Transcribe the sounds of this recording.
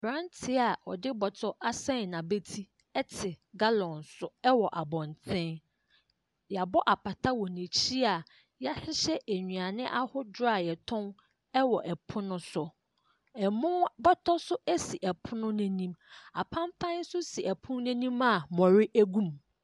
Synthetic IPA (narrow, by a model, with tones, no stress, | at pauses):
b̥ɾã˦ntʰɪ˦a˨wɔ̰˨dɪ˦bɔ˨tʰɔ˦ʔa˦sɛ̃˦n˨nã˨be˦tʰi˦ | ɛ˦tʰɪ˨ɡa˦lɔ̃˨nsʊ˦ɛ˦wɔ˨ʔa˨bɔ̃˨ntʰɪ̃˦n | ja˨bɔ˦ʔa˨pʰa˨tʰa˦wɔ˨nẽ˨t͡ɕʰi˦a˨ | ja˦hɪ˦ɕɛ˦ʔæ˨ɲũ˨a˨nɪ̃˦ʔa˦hʊ˦dʊ˦ɾa˦˨jɛ˨tʰʊ̃˦n | ɛ˦wɔ˨ʔɛ˨pʰʊ̃˦nʊ̃˦sʊ˨ | ɛ˨mʊ̃˦bɔ˦tʰɔ˦sʊ˦ʔæ˦si˨ʔɛ˨pʰʊ˦nʊ̃˦næ̃˨nĩ˦ma̰˨pʰã˦mfã˦n̩˦sʊ˦si˨ʔɛ˨pʰʊ̃˦n˦næ̃˦nĩ˦ma˨mɔ̃˨ɾɪ˦ʔæ˦ɡũ˦m